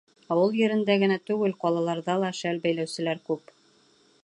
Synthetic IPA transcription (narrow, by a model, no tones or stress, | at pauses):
ɒwɤlˠjɘ̆ɾɘ̆nd̪æɡɘ̆næt̪ʉɡɘlqɒlˠɑlˠɑɾðɑlˠɑʃælbæjlæwsɘ̆læɾkʉp